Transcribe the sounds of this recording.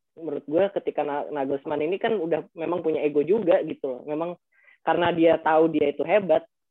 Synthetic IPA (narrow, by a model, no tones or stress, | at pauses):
məɾʊt̪̚ɡuakət̪ikananaɡosəmaninikanudahmemaŋpuɲaeɡod͡ʒuɡaɡit̪ulɔ̰hmemaŋ | kaɾənadiat̪audiait̪uɦebat̪̚